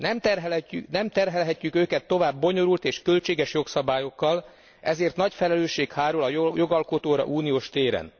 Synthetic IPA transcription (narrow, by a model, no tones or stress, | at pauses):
nɛmt̪ɛrɦɛlnɛmt̪ɛrɦɛlɦɛcːykøːkɛt̪ːo̞vaːbːo̞ɲo̞ɾult̪eːʃkø̞lt͡ʃeːɡɛʃjo̞ksɒbaːjo̞kːɒl | ɛzeːrt̪nɒcfɛlɛløːʃːeːkhaːɾulɒjo̞ɡɒlko̞t̪oːɾɒ̰ʔuːnijoːʃt̪eːɾɛ̰n